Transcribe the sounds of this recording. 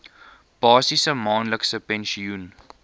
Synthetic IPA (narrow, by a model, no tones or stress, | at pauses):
b̥ɑːsisəmɔ̃ːnləksəpɛ̃nʃiun